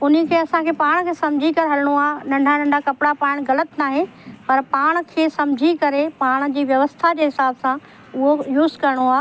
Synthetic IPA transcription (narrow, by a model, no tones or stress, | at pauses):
ʊnəkʰeːɐsãkʰeːpaːɽ̃kʰeːsɐ̃md͡ʑʱikɐɾeɦɐlɪɽ̃oaːɦnɐ̃ɳɖʱanɐ̃ɳɖʱakɐpɪɽapaːɪɽ̃ɣɐlət̪naːɦepɐɾpaːɽ̃̆kʰeːsɐ̃md͡ʑʱikɐɾepaːɽ̃̆d͡ʑiːʋjɐʋəst̪ʰad͡ʑeːɦɪsaːbsã | ʊɦojuːzkɐɾɪɽ̃oaː